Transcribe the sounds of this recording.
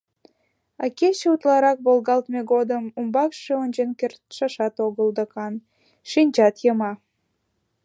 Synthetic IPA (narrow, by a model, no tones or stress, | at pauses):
ɑket͡ɕeut̪lɑɾɑk̚βolˠɣɑlt̪meɣod̪əmumbɑkʃeonʲt͡ɕenkert̪ʃɑʃɑt̪oɣəld̪əkɑn | ʃinʲt͡ɕɑt̪jəmɑ